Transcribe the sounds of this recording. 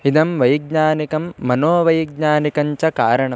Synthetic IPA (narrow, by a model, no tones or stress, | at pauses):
id̪ɐmʋɐjɡ̚ɲaːnikɐmːɐnoːʋɐjɡɲaːnikɐɲt͡ʃɐkaːɾɐɳɐ